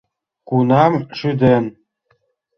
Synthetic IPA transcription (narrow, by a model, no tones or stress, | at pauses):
kunɑmʃyd̪en